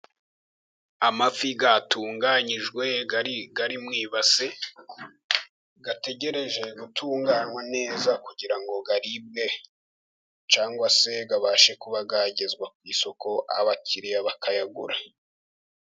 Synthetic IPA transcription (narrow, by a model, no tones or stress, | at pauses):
amafiɡatuːŋɡaɲiʒɡwe̞ɡaɾimŋiːβase | ɡate̞ɟe̞ɾe̞ʒe̞ɡutʰuːŋɡaːnwane̞ːzakuɟiɾaŋɡo̞ɡaɾib̚ɡe̞ | t͡ʃaːŋɡwase̞ɡaβaʃekuβaɡaɟe̞zɡwakwiːso̞ko̞ʔa̰βaciɾijaβakajaɡṵɾa